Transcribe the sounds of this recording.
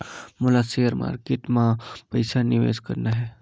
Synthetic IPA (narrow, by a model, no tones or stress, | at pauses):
molasejəɾmʔa̰ɾkeʈmãpəjsanɪʋḛskəɾnaɦɛ